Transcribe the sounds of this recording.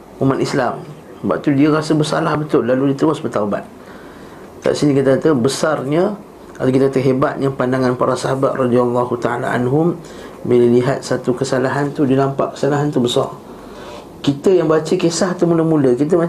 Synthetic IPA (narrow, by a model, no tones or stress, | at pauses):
umat̪islam | ba̰ʔ̚t̪udiaɾasəbəsa̰lahbət̪ʊlːaludit̪ɾuasbət̪auba̰t̪̚ | ka̰ʔsinikit̪akat̪abəsarɲə | at̪ak̬it̪akat̪əɦebat̪̚ɲapandaŋanpaɾasaɦabat̪̚rɔd̪ialːahut̪aala̰ʔa̰nɦʊm | biləliɦat̪̚sat̪ukəsalaɦant̪udinampa̰ʔkə̥salaɦant̪ubəsɑ̰r | kit̪əjaŋbat͡ʃəkesaht̪amuləmuləkit̪̬əma